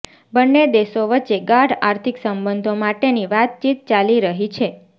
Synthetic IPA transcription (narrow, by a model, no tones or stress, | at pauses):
bənːed̪eʃoʋətːt͡ʃeɡaʈaɾt̪ʰiksəmbənd̪ʱomaʈeniʋat̪̚t͡ʃit̪̚t͡ʃaliɾəɦit͡ʃʰe